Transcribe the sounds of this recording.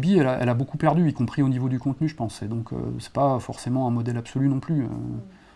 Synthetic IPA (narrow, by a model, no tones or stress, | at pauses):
biɛlaɛ̰labokupɛʁd̪yikɔ̃pχionivod̪ykɔ̃t̪nyʒə̥pɑ̃sɛd̪ɔ̃kʰø̰sɛ̥pafɔʁsemɑ̃ɛ̃mɔd̪ɛlabsɔlynɔ̃plyø̰